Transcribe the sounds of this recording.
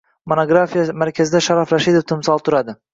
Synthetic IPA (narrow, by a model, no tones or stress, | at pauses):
monoɡɾafijamaɾkʲʰazɪd̪aʃaɾafɾaʃid̪oft̪ʰɪmsɒlˠt̪ʰʊɾad̪ɪ